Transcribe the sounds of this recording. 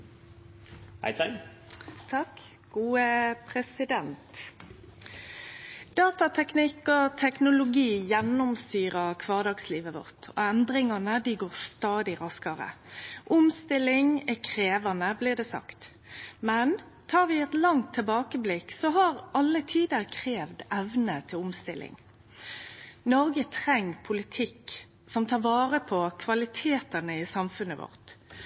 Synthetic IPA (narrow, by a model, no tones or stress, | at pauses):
hæ̰ɪt̪ɛ | t̪ʰɑk | ɡ̥uːəpʰʁɛsɪd̪ɛnt̪ | d̪̥ɑːt̪ɑt̪ʰɛknɪkɔt̪ʰɛknʊlʊɡiːjɛnːʊmst̪yːʁəkʰʋɑːʁd̪ɑːɡsliːʋəʋʊ̰ʁt̪ʰɔ̰ɛnd̪ʁɪŋɑnəd̪ɪɡoːʁst̪ɑːd̪ɪʁɑskɑʁə̰ʔʊmst̪ɪlɪŋɛkʰʁeːʋɑnəblɪʁd̪ɛːsɑ̰kt̪ | mɛn | t̪ʰɑːʁʋɪɛt̪lɑŋt̪ʰːɪlbɑːkəblɪksɔɦɑʁʔɑlːət̪ʰiːd̪əʁkʰʁeːʋd̪ɛʋnət̪ʰɪlʊmst̪ɪlʔɪ̰ŋ | nɔʁɡət̪ʰʁɛŋːpʰʊlɪt̪ʰɪk | sɔmt̪ʰɑːʁʋɑːʁəpʰɔkʰʋɑlɪt̪ʰeːt̪ənəɪsɑmfʉnəʋɔ̰ʁt̪